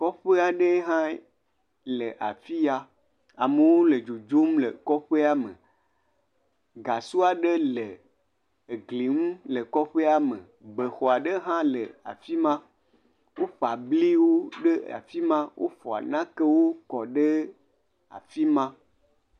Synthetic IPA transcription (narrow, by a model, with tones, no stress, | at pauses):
kɔ˦ɸe˦a˨ɖe˦ɦã˦ | le˨ʔa̰˨fi˦ja˦ | a˨mə˨wo˦le˨d͡ʒu˨d͡ʒo˦mlə̰˨kɔ˦ɸe˦a˦mə̰˨ | ɡa˨su˦a˨ɖe˦le˨ | ɡli˨ŋũ˦le˨kɔ˦ɸe˦a˦mḛ̃˨ | be˨xɔ˨a˨ɖe˦ɦã˦lḛ˨a̰˨fi˦mã˦ | wo˦ɸa˨bli˦wo˦ɖe˦a̰˨fi˦mã˦wʔo̰˦ɸɔ˨a̰˨nã˦ke˦wo˦kɔ˨ɖe˦ | a̰˨fi˦mã˦